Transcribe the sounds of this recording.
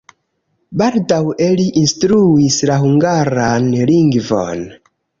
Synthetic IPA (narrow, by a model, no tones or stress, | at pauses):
baldaweliʔinstɾuislaɦuŋɡaɾanliŋɡvo̞̰n